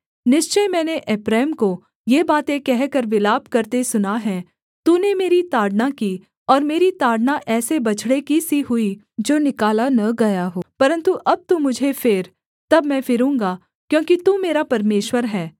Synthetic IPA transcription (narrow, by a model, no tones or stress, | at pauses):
nɪʃt͡ʃəmɛ̃ːneʔɛpɾɛːmko | jeːbaːt̪ẽkɛɦkɐɾʋɪlaːb̚kɐɾt̪esʊnaɦɛ̃ː | t̪uːnemeːɾit̪aːɽnaki | ɔːɾmeːɾit̪aːɽnaʔɛːsebɐt͡ʃʰɽekisiɦʊi | d͡ʒoːnɪkaːlanɐɡɐjaɦoːpɐɾə̃nt̪uʔɐb̚t̪ũmʊd͡ʒʱefɪɾ | t̪ɐbmɛ̃fɪɾũːŋɡa | kjõːkit̪umeːɾapɐɾmeːʃwəɾɦɛː